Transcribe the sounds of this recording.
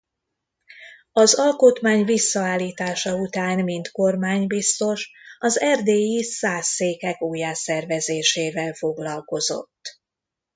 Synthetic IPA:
ɒzɒlkot̪maːɲvisːɒaːlːiːt̪aːʃɒut̪aːnmint̪ko̞rmaːɲbist̪o̞ʃɒzɛrd̪eːjisaːsːeːkɛkuːjaːsɛrvɛzeːʃeːvɛlfo̞ɡlɒlko̞zo̞̰t̪ː

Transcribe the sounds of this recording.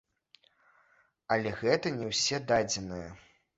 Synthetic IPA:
ɐlʲɛɣɛt̪ɐnʲɛwsʲɛd̪ad͡zʲɛnɨjɐ̰

